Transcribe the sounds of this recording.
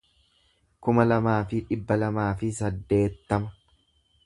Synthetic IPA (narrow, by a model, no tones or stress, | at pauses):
kʊmɐlɐmaːfɪᶑɪbːɐlɐmaːfɪsɐd̪ːe̞ːt̪ːɐmɐ